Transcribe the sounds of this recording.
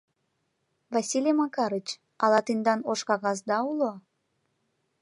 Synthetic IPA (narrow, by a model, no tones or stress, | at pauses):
vɑsʲilʲemɑkɑɾət͡ɕ | ɑlɑt̪end̪ɑnoʃkɑɣɑz̬d̪ɑulo